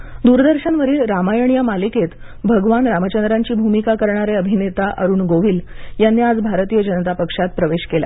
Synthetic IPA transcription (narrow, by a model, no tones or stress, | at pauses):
d̪uɾd̪əɾɕənʋəɾiːlɾamajəɳijamaliket̪ | bʱəɡʋanɾamət͡ɕənd̪ɾaɲt͡ɕiːbʱumikakəɾɳaɾeəbʱinet̪aʔəɾuːɳɡoʋiːljanːiːad͡zbʱaɾt̪ijəd͡ʑənət̪apəkʂat̪̚pɾəʋeɕkela̰